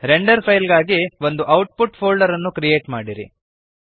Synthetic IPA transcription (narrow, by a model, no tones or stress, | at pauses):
ɾeɳɖɐɾpʰɐjlɡaːɡiʋo̞nd̪uʔɐwʈ̚puʈpʰoːlɖɐɾɐnːukɾijeːʈmaːɽiɾḭ